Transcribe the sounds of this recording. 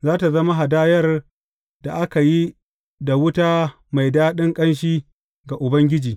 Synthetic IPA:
zaː˦ta˨zɐ˦ma˦ɦa˨daː˦jɐ˦r | da˨ʔa˦ka˨ji˦ | da˨wʊ˦taː˦ | ma˨jdaː˦ɗɪ˦ŋkʼɐ˦nʃiː˦ | ɡa˨ʔʊ˨bɐ˦ŋɡʲɪ˦d͡ʒiː˨

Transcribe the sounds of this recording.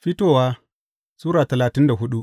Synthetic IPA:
ɸi˦toː˨waː˦ | suː˦ɾaː˨tɐ˨laː˨tɪ˦nda˨ɦʊ˦ɗu˦

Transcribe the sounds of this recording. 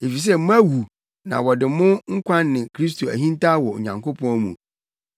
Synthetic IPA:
e˨fi˨s̬ɛ˦mʊ̃˦æ˦wu˨ | nã̰˨wɔ˨dɪ˨mʊ̃˦ŋ̩˦kʷʰã˦nːɪ̃˨kʰɾi˦s̬tʰo˨æ̰˨ɦĩ˦n˦ta˦wɔ̰˨ɲã̰˨ŋkʊ˦pʰɔ̃˦mṵ̃˨

